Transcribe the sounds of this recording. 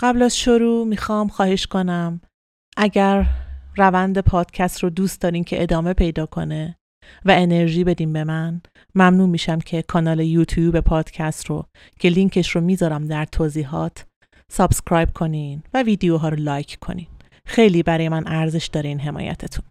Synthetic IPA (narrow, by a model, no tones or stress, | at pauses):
ɢ̥æblæzʃo̞ɾuːmiːxɒːmxɒːhe̞ʃko̞næm | ʔæɟæɾːævænd̪e̞pʰɒːd̪̥cʰæst̪ɾod̪uːst̪d̪ɒːɾiːmcʰe̞ʔed̪ɒːme̞pʰe̞jd̪ɒːkʰo̞̰ne̞ | væene̞ɾʒiːbe̞d̪iːmbe̞mæn | mæmnuːmiːʃæmcʰe̞kʰɒːnɒːle̞juːt̪ʰjuːbe̞pʰɒːd̪̥cʰæst̪ro | cʰe̞liŋcʰe̞ʃromiːzɒːɾæmd̪æɾt̪ʰoːziːɦɒːt̪ʰ | sɒb̥skɾɒːjb̥̚kʰo̞ninvæviːd̪ejoɦɒːɾolɒːjcʰkʰo̞̰nin | xe̞jliːbæɾɒːjemænʔæɾze̞ʃd̪ɒːɾeiːnɦe̞mɒ̰ːjæ̰t̪ʰet̪ʰu̥n